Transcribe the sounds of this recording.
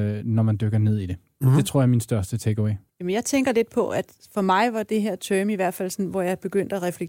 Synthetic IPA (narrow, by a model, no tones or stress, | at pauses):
nɒmænd̥øɡ̥ɐne̝ð̞̰ˠid̥e̝ | d̥e̝t͡sʰʁo̰jɑɐminsd̥ɶɐsd̥ət͡sʰeɡ̥əweɪjɛmenjɑ̈ɪt͡sʰeŋɡ̥ɐle̝d̥̚pʰɒ̽ʔæd̥ | fɒ̽mɑ̈ɪʋɑ̈d̥e̝ɦeɐ̰t͡sʰœːmiʋæɐ̰̥fæl̰sɒ̽nʋɒjɑ̈ɪb̥e̝ɡ̥øn̰d̥æʁɛfle̥